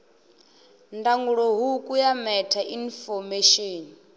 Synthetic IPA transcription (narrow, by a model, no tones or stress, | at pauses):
ndaŋɡuɺɔɦukʼujamɛtʰaʔinfɔmeʃoːni